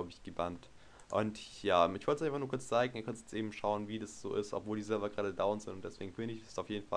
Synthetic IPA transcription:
ʊbəɪçɡ̥əbant | ʔʊ̰ntjaːmɪçvɔltsʔaɪnfaχnuːɐkʰʊɐt͡st͡saɪɡŋ̩iɐkʰœntjɛt͡stʔeːbm̩ʃaʊənviːdasz̥o̰ːʔɪstɔ̰pv̥oːldiːzɛlbɐɡʁaːɾədaʊnz̥ɪ̰ntʊnd̥ɛsv̥ḛːɡŋ̩fɪndəɪç̥ɛ̥saʊfjeːdn̩fa

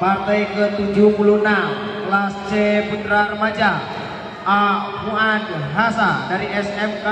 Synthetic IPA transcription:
part̪ajkət̪ud͡ʒuhpulunam | last͡ʃɛput̪ɾarəmad͡ʒa | amuadɦasadaɾiɛsɛmka

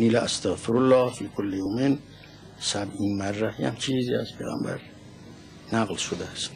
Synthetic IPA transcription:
nilaʔast̪ʰaɣfɪɾʊlːɑːhfiːkʰʊlːɪjomin | sabinmærːaja̰nt͡ʃʰiːziazpʰejɣa̰mbæ̰ɾ | naɣlʃʊd̪ast̪

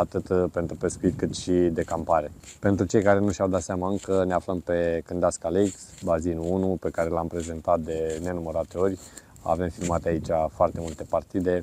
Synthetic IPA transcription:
at̪ɨt̪pe̞nt̪ɾupe̞skuit̪̚ʲkɨt̪ʃid̪e̞kampaɾe̞pe̞nt̪ɾut͡ʃe̞jkaɾe̞nuʃawd̪at̪seamaɨŋkəneafləmpe̞kɨnd̪askaleksbazinuunupe̞kaɾe̞lampɾe̞ze̞nt̪at̪̚d̪e̞ne̞numəɾat̪eo̞rʲ | a̰ve̞mfilmat̪eait͡ʃafoart̪e̞mult̪e̞part̪id̪e̞

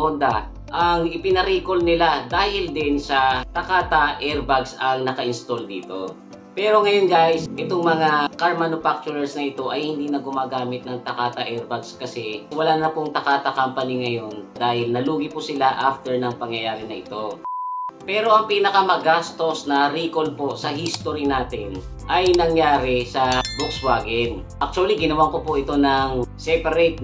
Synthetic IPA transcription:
ond̪a | ʔɐŋɪpɪnɐɾiːko̞lnɪlad̪aːhɪld̪ɪnsɐt̪ɐkaːt̪ɐʔɛɹbaɡsɐŋnɐkɐʔɪnst̪old̪ḭːt̪o̞ | pɛːɾo̞ŋɐjonɡajsʔɛt̪oŋmɐŋakɐɹmanʊfak̚t͡ʃʊɾɐɹsnɐʔɪt̪o̞ʔɐjhɪnd̪iːnɐɡʊmaːɡaːmɪt̪̚nɐŋt̪ɐkaːt̪ɐʔɛɹbaɡskɐsɛwɐlaːnɐpoŋt̪ɐkaːt̪ɐkampɐnɪŋɐjo̞nd̪aːhɪlnɐluːɡɪpʊsɪlaʔaft̪ɛɹnɐŋpɐŋjɐjaːɾɪnɐʔɪt̪o̞ | pɛːɾo̞ʔɐŋpiːnɐkɐmɐɡast̪o̞snɐɾiːkolposɐɦist̪oɾinaːt̪ɪn | ʔɐjnɐŋjaːɾɪsɐbukswaːɡɛn | ʔak̚t͡ʃʊɐliɡɪnɐwaŋkopoʔɪt̪o̞nɐŋsɛpɐɾɛt̪̚

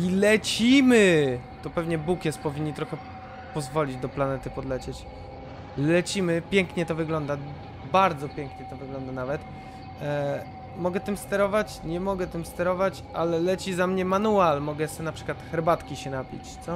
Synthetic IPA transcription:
ilɛt͡ɕimɘt̪ɔpɛvɲɛbukjɛst̪pɔvʲiɲːit̪ɾɔxɛ | pɔzvɔlʲid͡ʑd̪ɔplanɛt̪ɘpɔd̪lɛt͡ɕɛt͡ɕ | lɛt͡ɕimɘpʲjɛŋkɲɛt̪ɔvɘɡlɔnd̪a | baɾd̪zɔpʲjɛŋkɲɛt̪ɔvɘɡlɔnd̪anavɛt̪ | mɔɡɛt̪ɨmst̪ɛɾɔvat͡ɕɲɛmɔɡɛt̪ɘmst̪ɛɾɔvat͡ɕ | a̰lɛlɛt͡ɕizamɲɛmanualmɔɡɛsɛnapʂɘ̥kwat̪xɛɾbat̪kʲiɕɛnapʲḭt͡ɕt̪sɔ

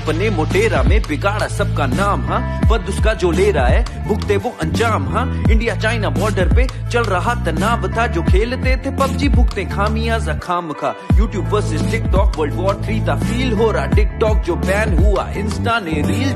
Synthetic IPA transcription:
pənẽmoːʈeːɾamẽpɪɡaːɽasɐb̚kanaːmɦãːpɐd̪ʊskad͡ʒoːleːɾaaːɦɛː | bʱʊkt̪ẽʋoʔɐ̃ɲd͡ʒaːmɦãːɪ̃ɳɖijat͡ʃaːɪnabɔːɾɖəɾpe | t͡ʃɐlɾɐɦat̪ɐnaːbt̪ʰad͡ʒoːkʰeːlt̪ẽt̪ʰepɐbd͡ʒibʱʊkt̪ẽkʰaːmijaːzakʰaːmkʰajuːʈjuːbpəɾsɪsʈɪk̚ʈɔːkʋəɾlɖʋɔːɖt̪ʰɾiːt̪afiːlɦoːɾaːʈɪk̚ʈɔːk̚d͡ʒoːpɛːnɦʊa̰ːɪ̃nsʈaːnẽɾiːl

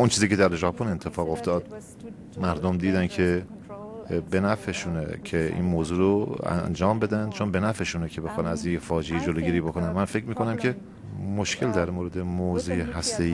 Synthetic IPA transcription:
ʔont͡ʃʰiːziːcʰe̞d̪æɾʒɒːpʰone̞nt̪ʰːe̞fɒːɣo̞ft̪ɒːd̪̥̚ | mæɾd̪omd̪iːd̪æncʰe̞ | be̞næfeʃunḛcʰeḭːnmoːzuːɾoæ̰nd͡ʒɒːmbe̞d̪ænd̪̥t͡ʃʰonbe̞næfeʃunekcʰe̞be̞xɒːnæzinjefɒːd͡ʒejed͡ʒoloːɡiːɾiːbokʰonænmænfe̞cɾmiːkʰo̞næmcʰe̞ | moʃcʰe̞ld̪æɾmoːɾe̞d̪e̞moːzujeɦæst̪e̞iː

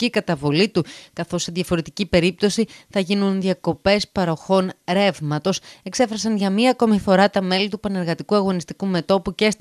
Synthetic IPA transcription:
ikɐt̪ɐvo̞lit̪ukɐθo̞sːe̞ðʝɐfo̞ɾet̪icipe̞ɾip̚t̪o̞siθɐʝinunðiɐko̞pe̞spɐɾo̞xo̞nɾe̞vmɐt̪o̞se̞kse̞fɾɐsɐnʝɐmiɐːko̞mifo̞ɾɐt̪ɐme̞lit̪upɐne̞ɾɣɐt̪ikuɐɣo̞nist̪ikume̞t̪o̞puce̞s

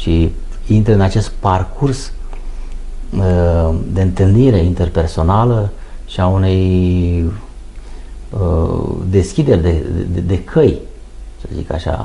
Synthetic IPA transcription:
ʃi | int̪ɾəɨnat͡ʃe̞st̪̚parkʰurs | d̪e̞ɨnt̪ɨlniɾe̞int̪e̞rpe̞rso̞nalə | ʃiaune̞j | d̪e̞skʲid̪e̞rʲd̪e̞̰ed̪e̞kʰəj | səzḭka̰ʃa̰

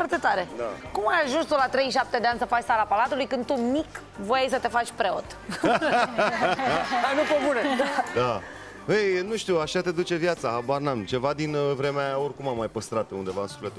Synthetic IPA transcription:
fart̪e̞t̪aɾe̞d̪akumajaʒunst̪ulat̪ɾe̞jʃ̬ap̚t̪ed̪eansəfat͡ʃʲsalapalat̪ulujkɨnd̪̚t̪umik | vojejsət̪e̞fat͡ʃʲpɾe̞o̞t̪ | anupomuned̪ad̪a | ejnuʃt̪iuaʃat̪ed̪ut͡ʃe̞vjat̪saabarnamt͡ʃe̞vad̪invɾe̞meao̞rʲkumamːajpəst̪ɾat̪und̪e̞vaɨnsu̥fle̞t̪u

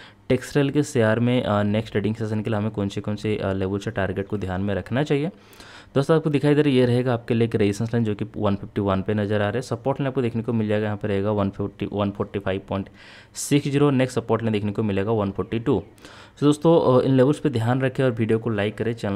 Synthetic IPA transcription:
ʈeːksʈɾeːlkesejaːɾmẽneksʈeːɖɪ̃ŋseːsənkeliɦɐmẽkõːnsekõːnseleːbəlseʈaːɾɡeːʈkod̪ʱjaːnmẽɾɐkʰnat͡ʃaːɦie | d̪̥oːst̪oaːpkod̪ɪkʰaːid̪eːɾejeɾɐɦeːɡaːp̚kelieːkɾeɪsə̃ns̬lẽːd͡ʒoːkiʋɐnpʰɪfʈiʋɐnpenɐzəɾaːɾeɦɛsɐpoːɾʈnẽaːp̚kod̪eːkʰnekomɪleːɡajɐɦãpɐɾɐɦeːɡaʋɐnpɪʈiʋɐnpʰɔːɾʈipʰaːɪʋpɔːɪ̃ɳʈ | sɪksd͡ʒiːɾoneːksʈsɐpoːɾʈnẽd̪eːkʰnekomɪleːɡaʋɐnpʰɔːɾʈiʈu | d̪oːst̪õɪ̰nleːbəlsped̪ʱjaːnɾɐkʰeɔːɾʋiːɖijokolaːɪkːɐɾẽt͡ʃɐl

